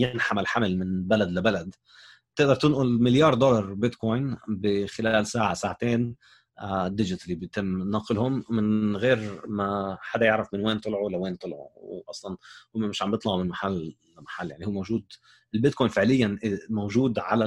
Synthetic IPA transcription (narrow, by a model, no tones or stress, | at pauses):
jɪnħamalħamɪlmɪnbalad̪labalad̪ | bt̪ɪʔd̪ɑɾˤt̪ɪnʔʊlmɪljɑːɾˤd̪ɔlɑɾˤbɪt̪kojnbɪxɪlaːlsaːʕasaːʕat̪eːn | d̪ːɪd͡ʒɪt̪libjt̪ɪmːnɑːqɪlhʊmːɪnɣeːɾmaħad̪ajɪʕɾafmɪnweːnt̪ˤɨlʕuwalːaweːnt̪ˤɨlʕṵwwʔɑsˤlɑnhʊːamɪʃʕambjɨt̪ˤlɑʕmɪnmaħalː | amaħalːjaʕnihuːmowʒuːd̪ | ɪlbɪt̪koːjnfɪʕlɪjːanʔmowʒuːd̪ʕa̰la